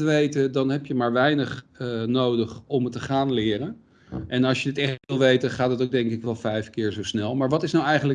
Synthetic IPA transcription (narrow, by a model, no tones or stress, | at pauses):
əʋejtədɑnɦɛpjəmaːɹʋɛjnəχnowdəχɔmtəχaːnlɪːrən | ʔɛnɑlˠʃjədɪtɛχtʋɪlˠʋejtəχaːtətowɡ̚dɛŋkɪkʋɛlˠvɛjfkɪːɹzowsnɛlˠmaːɹʋɑtɪsnawɛjχənlə